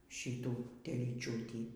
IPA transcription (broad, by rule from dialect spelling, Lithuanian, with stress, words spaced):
ˈʃʲiːtuː tʲɛlʲiːˈt͡ʃʲuːtʲiː